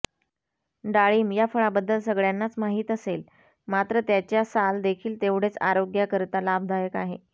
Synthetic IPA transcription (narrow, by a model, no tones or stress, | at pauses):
ɖaɭiːmjafəɭabəd̪ːəlsəɡɭjanːat͡smaɦiːt̪əsel | mat̪ɾət̪jat͡ɕjasald̪ekʰiːlt̪eʋɽ̤et͡sa̰ɾoɡjakəɾt̪alab̚d̪ʱajəkaɦe